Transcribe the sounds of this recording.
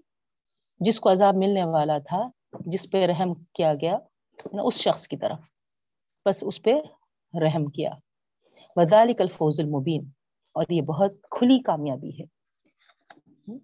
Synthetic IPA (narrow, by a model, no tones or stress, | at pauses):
d͡ʒɪskoɐzaːbmɪlneʋaːlat̪ʰa | d͡ʒɪspeɾɐɦmkijaɡɐja | n̰ʔʊsʃɐxskit̪ɐ̰ɾəf | pɐsʊspe | ɾɐɦmkija̰ː | ʋɐðaːlɪkɐlfoːzʊlmʊbiːn | ɔːɾjebɐɦʊt̪̚kʰʊlikaːmjaːbḭɦɛː